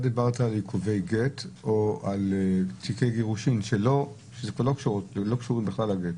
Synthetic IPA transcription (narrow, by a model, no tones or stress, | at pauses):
ad̪ibaʁt̪aːljikʰuvejɡetoalt͡sikejɡeʁuʃinʃelo | ʃezekvaʁlokʃuʁutlo̞kʃuʁimbeχlalaɡet̪